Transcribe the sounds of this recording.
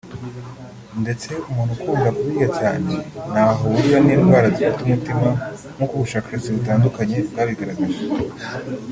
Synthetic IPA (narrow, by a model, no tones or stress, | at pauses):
nde̞t͡se̞umuːnhukʰuːŋɡakuβiɡacaːne̞n̥aːɦouɾiβaniːnɡwaːɾazifitumutima | nukuβuʃaːkaɾesiβitaːndukaɲe̞bɡaːβiɡaɾaɡaze